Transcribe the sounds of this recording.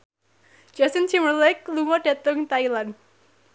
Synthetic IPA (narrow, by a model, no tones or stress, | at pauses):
d͡ʒasint͡ʃimərlɛkluŋɔd̥a̤t̪ʊŋt̪ailan